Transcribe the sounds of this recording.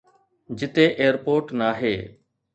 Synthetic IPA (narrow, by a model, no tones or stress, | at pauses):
d͡ʒɪt̪eːʔeːəɾpoːɾʈnaːɦḛː